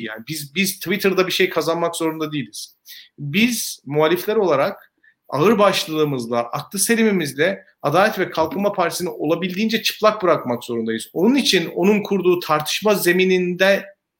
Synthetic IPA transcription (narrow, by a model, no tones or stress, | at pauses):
ja̰ːnibizbizt̪ʰvit̪ʰɯɾd̪abiʃe̞jkʰazanmakz̥o̞ɾund̪ad̪ijːilʲiz̥ | bizmualʲiflʲæɾo̞lˠaɾak̚ | a̰ɯɾbaʃlˠɯɯːmɯzlˠaʔaklˠɯse̞lʲimimizlʲɛ | ad̪aːlʲɛt̪vɛkʰalˠkʰɯnmapʰaɾt̪ʰisinio̞lˠabilʲd̪iːnd͡ʒɛt͡ʃʰɯ̥plˠak̚bɯɾakmakz̥o̞ɾund̪ajɯzo̞nunit͡ʃʰino̞nunkʰuɾd̪uːt̪ʰaɾt̪ʰɯ̥ʃmaze̞minind̪ɛ